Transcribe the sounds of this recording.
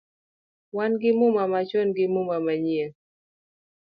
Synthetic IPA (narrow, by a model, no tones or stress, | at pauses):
wanɡɪmʊmamat͡ʃɔnɡɪmʊmamaɲe